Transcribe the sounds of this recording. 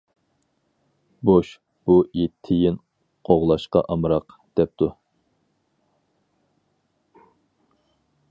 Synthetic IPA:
boʃ | b̥uet̪ʰːɪjɪn | qʰoʁlˠɑʃqɑʔɑmɾɑqd̪̥ɛp̚t̪ʰu

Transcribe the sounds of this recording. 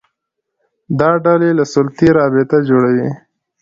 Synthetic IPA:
d̪ɑɖalelasʊlt̪iɾɑbɪt̪ad͡ʒoɽawi

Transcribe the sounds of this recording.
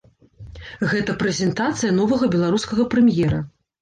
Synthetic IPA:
ɣɛt̪ɐpɾɛzʲɛnt̪at̪sɨjɐnɔvɐɣɐbʲɛlˠaɾuskɐɣɐpɾɛmjɛɾɐ

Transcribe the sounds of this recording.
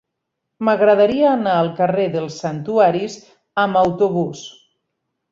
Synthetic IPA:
məɣɾəðaɾiaːnaəlˠkəreðəlˠsənt̪uaɾiz | əməwt̪uβus

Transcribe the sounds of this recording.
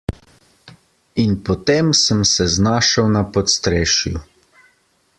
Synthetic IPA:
inpɔt̪emsəmsɛznaːʃəwnapɔt̪st̪ɾeːʃju

